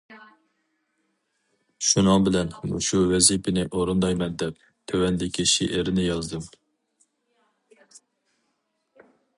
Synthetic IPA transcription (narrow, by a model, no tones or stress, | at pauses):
ʃunɨŋbɪlɛnṵʃuwɛzipʰɪnɪʔoɾund̪ɑjmɛnd̪ɛp̚ | t̪ʰøwɛnd̪ɪkʲʰiʃeʔɪɾɪnɪjɑzd̪ɨm